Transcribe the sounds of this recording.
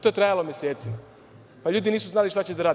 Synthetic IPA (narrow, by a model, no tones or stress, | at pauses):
t̪oet̪ɾajalomjeseːt̪sima | paʎuːd̪iniːsuznaːliʃt̪at͡ɕed̪aɾaːd̪